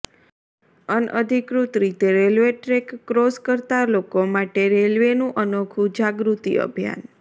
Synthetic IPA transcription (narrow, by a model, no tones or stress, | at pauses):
ənəd̪ʱikɾut̪ɾit̪eɾelʋeʈɾekːɾoskəɾt̪alokomaʈeɾelʋenũʔənokʰud͡ʒaɡɾut̪ḭə̰bʱija̰n